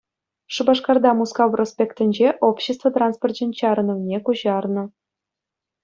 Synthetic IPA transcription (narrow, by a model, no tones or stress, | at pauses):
ʂɯbɑʂkɑrd̪ɑmuskɑʋrʔosʲpʲekt̪ʲɘ̆nʲd͡ʑeʔopɕĕst̪vət̪ransport͡ɕʲĕnʲt͡ɕɑɾɤnɤ̆ʋnʲekuʑɑrnɤ̆